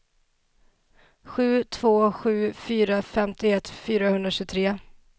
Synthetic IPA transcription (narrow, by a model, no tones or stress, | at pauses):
ɧʉ̟ːt̪ʰvoːɧʉ̟ːfyːɾafɛmt̪ɪɛt̪ːfyːɾahɵnd̪ɾaɕʉːt̪ʰɾeː